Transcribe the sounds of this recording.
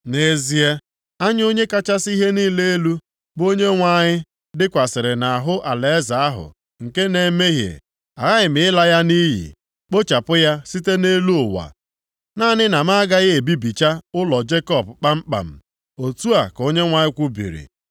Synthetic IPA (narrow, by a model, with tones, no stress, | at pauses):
ne˨zi˦e˦ | a˦ɲ˦o˦ɲe˦ka˦t͡ʃa˦si˦ɦe˦niː˦le˦e˦lu˦ | bo˦ɲe˦ŋʷa˨ɲɪ˦ | dɪ˦kʷa˨sɪ˨ɾɪ˨na˨a˨ɦʊ˦ʔa˨le˨˦za˨a˦ɦʊ̰˨ | ŋ̩˨ke˦ne˨me˦ɦjḛ˨ | a˨ɣa˦ɪ˨mɪ˨ɪ˦la˦ja˦ni˦ɦḭ˨ | k͡po˦t͡ʃa˨pʊ˦ja˦si˦te˦ne˦lu˦ʊ˨wa̰˨ | na˦˨nɪ˦na˨m̩˦a˦a˦ɡa˦ɣe˨bi˦bi˨t͡ʃa˦ʊ˦lɔ˨d͡ʒe˦kɔ˨bk͡pa˦m̩˦k͡pa̰˨m̩˨ | o˨tu˦a˨ko˦ɲe˦ŋʷa˨ɲɪ˦kʷu˦bḭ˨ɾḭ˨